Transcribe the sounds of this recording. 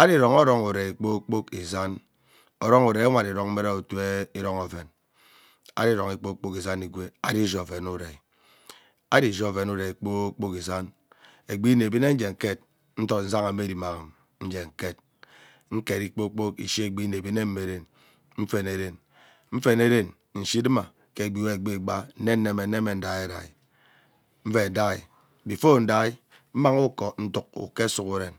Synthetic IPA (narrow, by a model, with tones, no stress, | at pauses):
a˦di˦ɾo˨ŋɔ˦ɾɔ˦ŋu˨ɾe˨i˨k͡po˦k͡po˦ki˨za˦n | ɔ˨ɾɔ˦ŋu˨ɾe˨˦a˦ŋʷa˨di˨ɾɔ˨ŋm̩˦e˦ɾa˦u˨tu˦e˦i˦ɾɔ˦ŋo˨ve˨n | a̰˦ɾi˦ɾo˨ŋi˨k͡po˦k͡po˦ki˨za˦ni˨ɡʷe˦a̰˦di˦ʒo˦˨ve˨nu˦ɾe˨ | a̰˦di˦˨ʒɔ˦˨ve˨nu˦ɾe˨i˨k͡po˦k͡po˦ki˨za˦n | e˨ɡ͡bi˦ne˨bi˦ne˦n̩˦d͡ʒe˨ŋ̩˨ke˦t̚ | n̩˦tɔ˨tn̩˦za˦ŋa˨˦me˦di˨ma˨ŋ˨m | n̩˦d͡ʒe˨ŋ̩˨ke˦˨t̚ | ŋ̩˦ke˨ɾi˦k͡po˦k͡po˦kḭ˨ʃi˦e˨ɡ͡bi˦ne˨bi˦ne˦m̩˦me˨ɾe˨n | m̩˦fe˨ne˨ɾe˨n | ɱ̩˦fe˨ne˦ɾe˦n | n̩˨ʃi˦dɨ˦ma˨ | ke˨ɡ͡bi˨we˦e˨ɡ͡bi˦˨ɡ͡ba˦n̩˦ne˦n˦ne˦me˨˦ne˦me˨n̩˦da˨je˦da̰˨i˨ | m̩˦fe˦˨da˦i˨ | bi˨fo˦n̩˦da˦i˦ | m̩˦ma˦ŋu˦kɔ˨n̩˦tu˨k̚ṵ˨ke˦su˨ku˦ɾe˨n